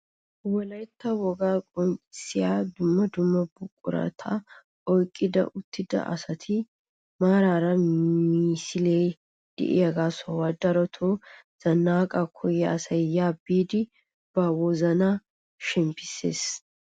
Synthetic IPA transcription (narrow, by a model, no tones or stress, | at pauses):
wɔlɐjt̪ːɐwɔɡaːkʼɔnt͡ʃʼɪ̥sɪjaːd̪ʊmːɐd̪ʊmːɐbʊkʼːʊ̰ɾɐ̰t̪ʰɐ | ʔɔjkʼːɪd̪ɐ̰ʔʊt̪ʰːɪd̪ɐ̰ʔɐ̰sɐt̪ʰɪ | maːɾaːɾɐiːsɪlej | d̪̥ɛ̰ʔɪ̰jɐɡaːsɔwɐd̪ɐɾɔt̪ʰoz̥ɐnːaːkʼɐkʰɔjːɛɐsɐjjaːbiːd̪ɪ | b̥ɐwɔzɐnɐ | ʃɛmpːɪ̥sːḛːs